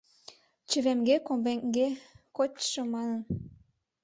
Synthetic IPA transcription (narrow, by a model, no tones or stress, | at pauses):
t͡ɕə̆βemɡekombeŋɡekot͡ɕʃəmɑnən